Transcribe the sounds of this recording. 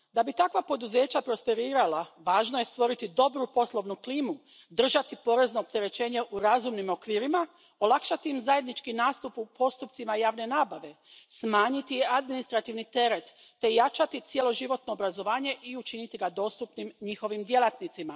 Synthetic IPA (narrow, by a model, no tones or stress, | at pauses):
d̪abit̪akʋapo̞d̪uze̞ːt͡ɕapɾo̞spe̞ɾiːɾalaʋaːʒnoje̞st̪ʋo̞ɾit̪id̪o̞bɾupo̞slˠo̞ʋnukliːmu | d̪r̩ʒat̪ipo̞ɾe̞zno̞ːp̚t̪e̞ɾe̞t͡ɕe̞ːɲe̞ʔuɾazumnimo̞kʋiːɾima | o̞lakʃat̪iːmzaje̞d̪nit͡ʃkinaːst̪upupo̞st̪upt̪simajaːʋne̞naːbaʋe̞ | smaːɲit̪ijead̪minist̪ɾat̪iʋnit̪e̞ɾe̞t̪ːe̞jat͡ʃat̪it̪sje̞lo̞ʒiʋo̞t̪no̞ːbɾazo̞ʋaːɲe̞ʔiut͡ʃinit̪iɡad̪o̞ːst̪upnimɲixo̞ʋimd̪je̞lˠat̪nit̪sima